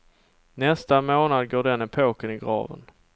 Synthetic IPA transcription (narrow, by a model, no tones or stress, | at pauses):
nɛst̪amoːnad̪ɡoːɖɛnɛpʰoːkənɪɡɾɑ̰ːvə̰n